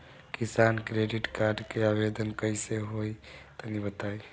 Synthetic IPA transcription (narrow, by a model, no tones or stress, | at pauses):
kisankɾeɖiʈkaɾɖkeabed̪ənkəjseɦojt̪ənibət̪aj